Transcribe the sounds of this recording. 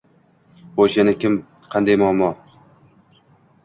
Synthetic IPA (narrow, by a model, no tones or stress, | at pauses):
boʃenɪkʲɪm | qʰɑnd̪ajmɒmːɒ